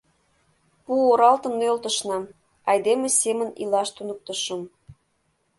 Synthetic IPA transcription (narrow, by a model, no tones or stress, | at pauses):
puoɾɑlt̪ə̆nølt̪ə̆ʃnɑm | ɑjd̪emesemə̆nḭlɑʃt̪unək̚t̪əʃə̆m